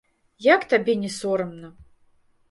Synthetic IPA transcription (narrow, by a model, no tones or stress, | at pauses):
jakt̪abʲɛnʲɛsɔɾɐmnɐ